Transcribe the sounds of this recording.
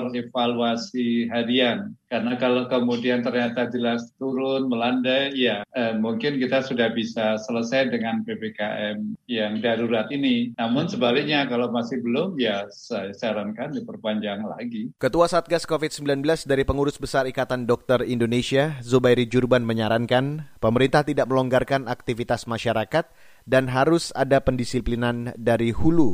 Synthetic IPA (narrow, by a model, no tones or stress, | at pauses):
refaluasiɦadiankarnakalokəmudiant̪ərɲat̪ad͡ʒəlast̪uɾʊnməlandajjaəmuŋkɪnkit̪asudahbisasələsajdəŋanpebekaʔɛmjaŋdaɾuɾat̪ininamʊnsəbalɪk̚ɲakalamasɪhbəlʊmjasajasəaɾankandipərpaɲd͡ʒaŋla̰ɡikət̪uasat̪̚ɡaskofit̪̚səmbilanbəlasdaɾipəŋuɾʊsbəsaɾikat̪andɔk̚t̪ərindonesiazubajɾid͡ʒurbanməɲaɾaŋkanpəməɾint̪aht̪idaʔ̚məlɔŋɡarkanak̚t̪ifit̪asmaʃaɾakat̪̚ | danɦaɾʊsadapəndisiplinandaɾihulu